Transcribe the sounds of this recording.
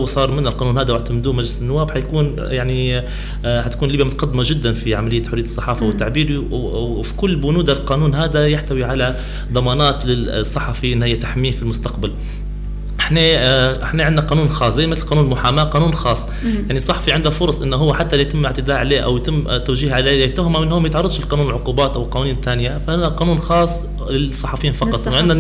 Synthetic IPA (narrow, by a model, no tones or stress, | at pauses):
wsˤɑːɾˤmɪnːalqɑːnuːnhaːd̪awɪʕt̪amd̪uːmaʒlɪsɪnːʊwːaːbħajkuːn | jaʕni | ħat̪ḁkuːnlibjamʊt̪aqɑd̪ːɪmaʒɪd̪ːanfiʕamalɪjːaħʊɾɪjːt̪sˤːɑħɑːfawɪt̪ːaʕbiːɾi | fi̥kʊlːbʊnuːd̪alqɑːnuːnɦaːd̪ajaħt̪awiʕala | d̪ˤɑmɑːnɑːt̪lɪsˤːɑħɑfiʔɪnːhɪjːat̪aħmiːnfilmʊst̪aqbal | ʔɪħneːʔɪħneʕɪnːnaqɑːnuːnxɑːsˤzeːjmɪt̪lqɑːnuːnlmʊħaːmaːqɑːnuːnxɑːsˤː | jaʕnisˤːɑħɑ̥fiʕɪnd̪afʊɾˤɑsˤʔɪnːɦʊwːaħat̪ːaljat̪ɪmːʔɪʕt̪ɪd̪aːʕaleːʔa̰wjt̪ɪmːt̪ːawʒiːhʕaleːjt̪ːʊhmamɪnhʊːmːajɪt̪ʕɑrˤːɑd̪ˤʃɪlqɑːnuːnɪlʕʊquːbaːt̪ʔawɪlqɑːnuːniːnt̪aːnɪjafaʔɪnaqɑːnuːnxɑːsˤː | lɪlsˤːɑħɑfjiːnfɑqɑt̪ˤʔʕɪnːa